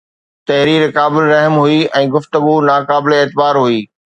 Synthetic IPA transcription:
t̪ɐɦɾiːɾkaːbɪlɾɐɦmɦʊiɛ̃ːɡʊft̪əɡunaːkaːbɪleeːt̪ɪbaːɾɦuiː

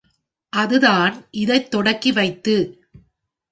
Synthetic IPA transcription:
ʔɐðɯðaːnʔɪðɐɪt̪ːɔɽɐkːiʋɐɪt̪ːɯ

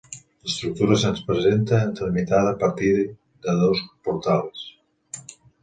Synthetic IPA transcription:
est̪ɾuk̚t̪uɾasenspɾezent̪aent̪emit̪aðapaɾt̪ið | d̪aðowspoɾt̪ales

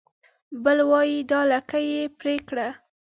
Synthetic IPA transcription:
bəlwɑjid̪ɑlakajepɾekɽa

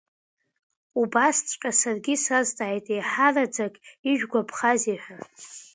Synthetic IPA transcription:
ubast͡sʷʼqʼasarɡʲisaztʼaːjtʼejħarad͡zakʼiʒᶣɡʷapʰχaziħʷᶣa

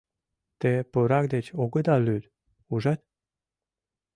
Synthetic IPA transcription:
t̪epəɾɑk̚d̪et͡ɕoɡəd̪ɑlyd̪ | uʒɑt̪̚

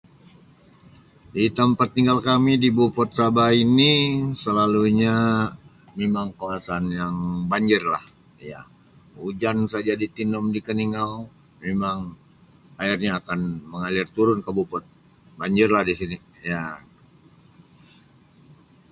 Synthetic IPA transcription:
dit̪əmpat̪ːiŋɡalkamidibupɔt̪̚sabainisəlaluɲa | memaŋkawasanjaŋbaɲd͡ʒɪrlah | ja̰ | ud͡ʒansad͡ʒadit̪inɔmdikəniŋaw | memaŋ | airɲaːkanməŋalɪrt̪uɾʊnkəbupɔt̪̚ | baɲd͡ʒɪrlahdisini | ja

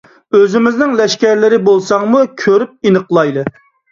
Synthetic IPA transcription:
øzɪmɪznɪŋlɛʃkʲæɾlɪɾɪbolˠsɑŋmukʲʰøɾyp̚inəqlˠɑjd̪ˠɨ

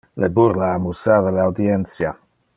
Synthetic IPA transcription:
lɛbʊɾlaːmusavəlawdiɛnsja

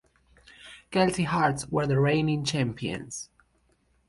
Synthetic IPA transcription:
ɡ̥ɛltiɦaɹtswə˞ðəɹẽɪ̃nĩŋt͡ʃæ̃mpʰiə̰̃nz̥

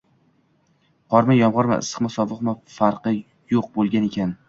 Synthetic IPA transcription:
qʰɒɾmajɒmʁɒɾma̰ɪ̰sɨ̥qmasɒvɨqmafaɾqɨ | joq̚bolˠɡʲane̞kʲʰan

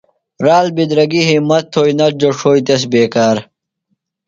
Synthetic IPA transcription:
ɾaːlbid̪ɾɐɡiɦimɐt̪ʰːoːjnɐɾ̚d͡ʑoʂoːjt̪es̬beːkaːɾ

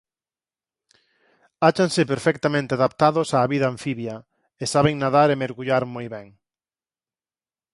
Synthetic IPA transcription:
at͡ʃaŋsɪpeɾfɛk̚t̪amẽnt̪eaðap̚t̪aðʊsaːβiðɐ̃ːɱfiβjɐ | esaβeŋnaðaɾemeɾɣuʎaɾmojβɛŋ

